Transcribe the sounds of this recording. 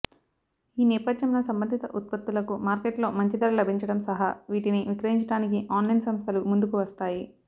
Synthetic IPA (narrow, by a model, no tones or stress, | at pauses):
iːnɛːpɐd̪jɐmlo̞ːsɐmbɐnd̪ʱit̪ɐ̰ʔut̪̚pɐt̪ːulɐkumaːɾkeʈlo̞ːmɐɲt͡ʃid̪ɐɾɐlɐbʱiɲt͡ʃɐɽɐmsɐɦɐʋiːʈiniʋikɾɐjiɲt͡ʃɐɽaːnikiʔaːnlɐjnsɐmst̪ʰɐlumund̪ukuʋɐst̪aːji